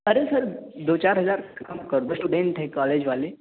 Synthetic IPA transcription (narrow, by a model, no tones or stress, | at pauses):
əɾesəɾd̪ot͡ɕaɾɦəd͡zaɾkəmkəɾt̪osʈuɖeɳʈɦekɔled͡ʑʋaleː